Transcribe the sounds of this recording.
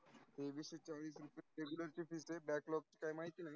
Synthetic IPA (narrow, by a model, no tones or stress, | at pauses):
t̪ebiʃet͡ɕalisɾupeɾeɡjuləɾt͡ɕifisebɛklɔk̚t͡ɕi̥kajmaɦit̪ina